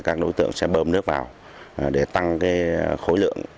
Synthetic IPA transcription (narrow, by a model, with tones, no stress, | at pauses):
kaː˦˥k̚ɗo˨˦jt̪ɨ̰˧˨əŋsɛ̰˧˥ɓəː˧mnɨ˦˥ək̚vaː˨˩w | ɗe˧˩t̪a˧ŋkaː˨˦jxo˨˦jlɨ̰˧˨əŋ